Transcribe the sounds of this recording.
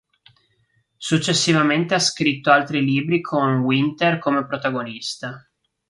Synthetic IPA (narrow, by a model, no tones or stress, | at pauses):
sut͡ʃːesːivament̪easkɾit̪ːoalt̪ɾiliːbɾikʰonwint̪erkomepɾot̪aɡonist̪a